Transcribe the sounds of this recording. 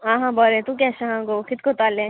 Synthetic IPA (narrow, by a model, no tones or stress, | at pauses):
ãːɦãbɔɾẽt̪ũk̬ɛsãɦãɡoːkɪt̪kot̪aːlẽ